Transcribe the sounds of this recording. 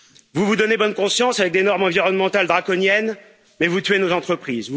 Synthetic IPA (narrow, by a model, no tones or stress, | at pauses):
vuvud̪ɔnebɔnkɔ̃sjɑ̃savɛk̚d̪enɔʁmɑ̃viʁɔnmɑ̃t̪ald̪ʁakɔnjɛn | mɛvut̪ɥenozɑ̃t̪χəpχiz